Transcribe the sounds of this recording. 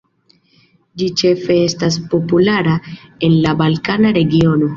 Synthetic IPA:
d͡ʒit͡ʃe̞fe̞e̞stas̬po̞pulaɾae̞nlabalkanaɾe̞ɡio̞no̞

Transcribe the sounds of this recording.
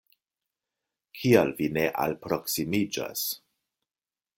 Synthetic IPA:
kʰialvine̞ʔa̰lpɾo̞ksimid͡ʒa̰s

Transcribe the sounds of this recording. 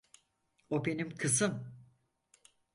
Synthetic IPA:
obe̞nimkʰɯsɯm

